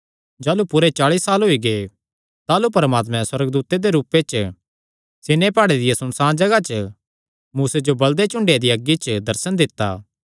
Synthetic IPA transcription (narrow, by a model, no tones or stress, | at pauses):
d͡ʒaːlupʊɾet͡ʃaːɭiːsːaːlɦoiɡe | t̪aːlupɐɾəmaːt̪mɛ̃swɐɾəɡd̪uːt̪ed̪eɾuːpet͡ʃ | seːnepaːɽed̪ɪjesʊnsãːd͡ʒɐɡat͡ʃə | muːsed͡ʒobɐld̪et͡ʃʊ̃ɳɖejad̪iɐɡit͡ʃd̪ɐɾsənd̪ɪt̪ːa̰ː